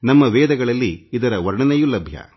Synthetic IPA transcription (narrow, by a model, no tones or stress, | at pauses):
nɐmːɐʋɛːd̪ɐɡɐɭɐlːiːd̪ɐɾɐʋɐɾɳɐnɛjulɐbʱjɐ̰